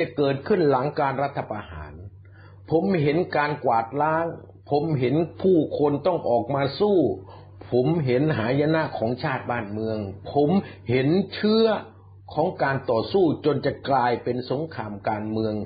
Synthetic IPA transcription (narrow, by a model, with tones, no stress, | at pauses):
a˨˩kɤː˨˩t̪̚kʰɯ˥˩nla˩˦ŋkaː˧nɾa˦˥t̪ʰːa˧pa˧ha̰ː˩˦n | pʰo˩˦mɦe˩˦nkaː˧nkwaː˨˩t̪̚laː˦˥ŋ | pʰo˨˩˦mɦe˩˦npʰuː˥˩kʰo˧nt̪ɔ˥˩ŋʔɔː˨˩k̚maː˧suː˥˩ | pʰo˩˦mɦe˨˩˦nɦaː˩˦ja˧na˦˥ʔkʰɔː˩˦ŋt͡ɕʰaː˥˩t̪̚baː˥˩nmɯ˧əŋpʰo˩˦mhe˨˦nt͡ɕʰɯ˦˥ɐ | kʰɔː˩˦ŋkaː˧nt̪ɔː˨˩suː˥˩t͡ɕo˧nt͡ɕa˨˩klaː˧jpe˧nso˨˩˦ŋkʰaː˧mkaː˧nmɯ˧əŋ